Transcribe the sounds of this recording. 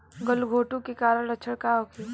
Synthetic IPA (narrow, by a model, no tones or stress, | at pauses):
ɡəlɡʱoːʈũkekaːɾəɽət͡ʃʰəɽkaɦoːki